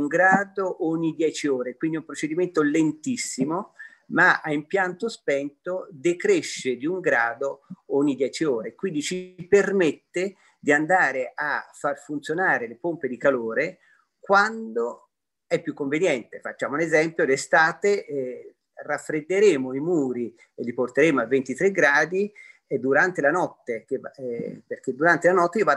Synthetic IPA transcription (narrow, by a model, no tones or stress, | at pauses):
uŋɡɾaːd̪oʔɔɲːid̪jɛːt͡ʃioːɾekwind̪iumpɾot͡ʃed̪iment̪olent̪isːimo | maaimpjant̪ospɛnt̪od̪ekɾeʃːed̪iuŋɡɾaːd̪oɔɲːid̪jɛːt͡ʃioːɾekwind̪it͡ʃipermet̪ːe | d̪iand̪aːɾeʔafːarfunt̪sjonaːɾelepomped̪ikaloːɾe | kwand̪o | ɛpːjukːoɱvenjɛnt̪efat͡ʃːaːmounezɛmpjolest̪aːt̪e | rafːɾed̪ːeɾeːmoimuːɾi | elːiport̪eɾeːmoavːent̪it̪ɾeɡɾaːd̪id̪ːuɾant̪elanɔt̪ːek̟eperk̟ed̪ːuɾant̪elanɔt̪ːejiova